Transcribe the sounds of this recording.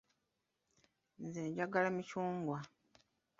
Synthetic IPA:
nzeɲɟaɡalamicuːŋɡwa

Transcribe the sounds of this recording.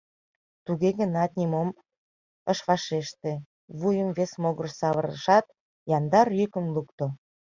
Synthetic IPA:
t̪uɣeɣənɑt̪nʲimom | əʃβɑʃeʃt̪e | βujəmvesmoɣərsɑβəɾə̰ʃɑt̪̚ | jɑnd̪ɑrjykə̆mlukt̪o

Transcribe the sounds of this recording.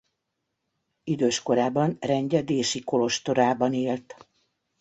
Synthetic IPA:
id̪øːʃko̞ɾaːbɒnrɛɲɟɛd̪eːʃiko̞lo̞ʃt̪o̞ɾaːbɒneːlt̪

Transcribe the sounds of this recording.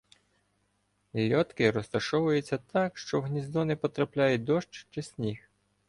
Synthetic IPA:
lʲɔt̪kɪɾɔst̪ɐʃɔʋʊjʊt͡sʲːɐt̪ɑkʃt͡ʃɔwɦnʲizd̪ɔnɪpɔt̪ɾɐplʲajʊt̚ʲd̪ɔʃt͡ʃt͡ʃɪsʲnʲix

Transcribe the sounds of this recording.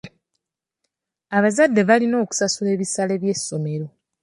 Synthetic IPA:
aβazadːe̞βalino̞ːku̥sasule̞ːβisale̞βje̞sːo̞me̞ɾo̞

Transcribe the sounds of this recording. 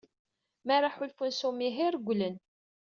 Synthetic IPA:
mæɾˤaħʊlfunsumiɦiɾɡʷːlən

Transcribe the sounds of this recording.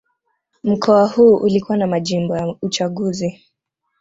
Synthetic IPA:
m̩kɔahuːʔulikuwanamaʄimbɔjaut͡ʃaɠuzi

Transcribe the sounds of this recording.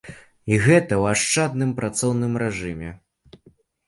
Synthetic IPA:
iɣɛt̪ɐwaʂt͡ʂad̪̚nɨmpɾʔat̪sɔwnɨmɾɛʐɨmʲɛ̰

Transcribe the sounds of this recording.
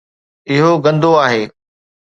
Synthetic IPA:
ɪɦoɡɐ̃nd̪ʱoaːɦeː

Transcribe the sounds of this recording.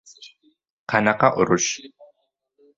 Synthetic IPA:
qʰanaqaʔʊɾʊʃ

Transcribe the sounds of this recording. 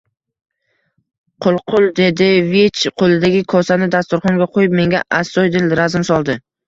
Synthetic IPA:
qʰʊlˠqʰʊlˠd̪e̞d̪ɪvet͡ʃqʰolˠɪd̪aɡʲɪkʰɒsanɪd̪ast̪ʊɾχɒŋɡʲaqʰojɪp̚me̞ŋɡʲaʔasɒjd̪ɪlɾazɪmsɒlˠd̪ɪ

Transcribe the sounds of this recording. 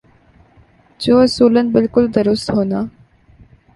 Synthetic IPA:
d͡ʒoːɐsuːlənɪ̆bɪlkʊld̪əɾʊst̪ɦoːnd̪aː

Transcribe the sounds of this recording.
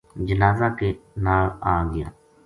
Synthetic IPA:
d͡ʒənaːzaːkenaːlaːɡɪjãː

